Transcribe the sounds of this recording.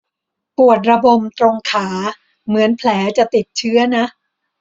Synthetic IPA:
pu˨˩ət̪̚ɾa˧bo˨˩mt̪ɾo˧ŋkʰaː˩˦ | mɯ˩˦ənpʰlɛː˩˦t͡ɕa˨˩t̪i˨˩t̪̚t͡ɕʰɯ˦˥ɐna˦˥ʔ

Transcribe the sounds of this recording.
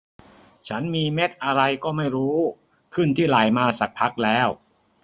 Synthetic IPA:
t͡ɕʰa˦˥nmiː˧me˦˥t̪̚ʔa˧ɾa˧jkɔː˥˩ma˥˩jɾuː˦˥ | kʰɯ˥˩nt̪ʰiː˥˩laː˩jmaː˧sa˨˩k̚pʰa˦˥k̚lɛː˦˥w

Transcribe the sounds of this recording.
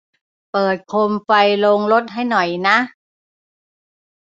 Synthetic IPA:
pɤː˨˩t̪̚kʰo˧mfa˧jlo˧ŋlo˦˥t̪̚ɦa˥˩jnɔ˨˩jna˦˥ʔ

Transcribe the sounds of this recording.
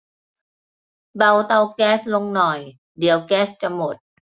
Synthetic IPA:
ba˧wt̪a˧wkɛː˧˥slo˧ŋnɔ˨˩j | di˨˩˦əwkɛː˦˥st͡ɕa˧˩mo˨˩t̪̚

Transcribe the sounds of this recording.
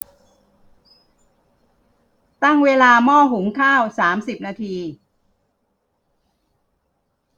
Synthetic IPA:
t̪a˥˩ŋweː˧laː˧mɔː˥˩ɦu˩˦ŋkʰaː˥˩wsaː˩˦msi˨˩p̚naː˧t̪ʰiː˧

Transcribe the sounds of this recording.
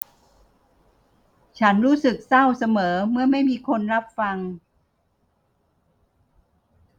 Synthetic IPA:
t͡ɕʰa˦˥nɾuː˦˥sɯ˨˩k̚sa˥˩wsa˧mɤː˩˦mɯ˥˩ɐma˥˩jmiː˧kʰo˧nɾa˦˥p̚fa˧ŋ

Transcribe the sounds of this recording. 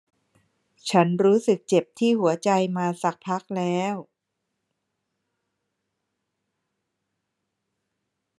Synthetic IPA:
t͡ɕʰa˦˥nɾuː˦˥sɯ˨˩k̚t͡ɕe˨˩p̚t̪ʰiː˥˩hu˩˦ɐt͡ɕa˧jmaː˧sa˨˩k̚pʰa˦˥k̚lɛː˦˥w

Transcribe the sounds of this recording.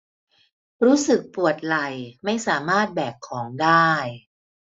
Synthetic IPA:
ɾuː˦˥sɯ˨˩k̚pu˨˩ət̪̚la˨˩jma˥˩jsaː˨˩˦maː˥˩t̪̚bɛː˨˩kʰːɔː˩˦ŋdaː˥˩j

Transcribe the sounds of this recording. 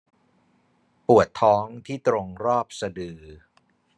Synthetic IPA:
pu˨˩ət̪ʰːɔː˦˥ŋt̪ʰiː˥˩t̪ɾo˧ŋɾɔː˥˩p̚sa˧dɯː˧

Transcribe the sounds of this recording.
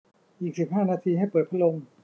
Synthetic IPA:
ʔiː˨˩k̚si˨˩p̚ɦaː˥˩naː˧t̪ʰiː˧ɦa˥˩jpəɤː˨˩t̪̚pʰa˦˥lo˧m

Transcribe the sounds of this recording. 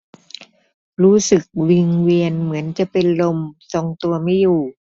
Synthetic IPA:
ɾuː˦˥sɯ˨˩k̚wi˧ŋwi˧ənmɯ˩˦ənt͡ɕa˨˩pe˧nlo˧mso˨˧ŋt̪u˧ɐma˥˩jːuː˨˩

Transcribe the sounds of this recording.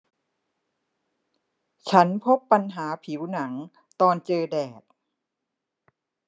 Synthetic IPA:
t͡ɕʰa˦˥npʰo˦˥pːa˧nɦaː˩˦pʰi˩˦wna˩˦ŋ | t̪ɔː˧nt͡ɕɤː˧dɛː˨˩t̪̚

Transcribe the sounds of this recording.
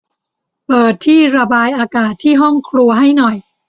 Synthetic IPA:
pɤː˨˩t̪ʰːiː˥˩ɾa˧baː˧jʔaː˧kaː˨˩t̪ʰːiː˥˩ɦɔ˥˩ŋkʰɾu˧ɐɦa˥˩jnɔ˨˩j

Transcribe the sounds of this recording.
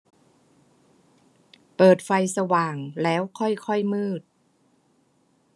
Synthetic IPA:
pɤː˨˩t̪̚fa˧jsa˧waː˨˩ŋlɛː˦˥wkʰɔ˥˩jkʰɔ˥˩jmɯː˥˩t̪̚

